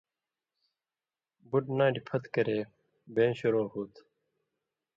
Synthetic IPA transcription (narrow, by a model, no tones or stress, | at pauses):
buʈnãːʈipʰɐt̪kəɾeː | beːɕuɾõːɦuːt̪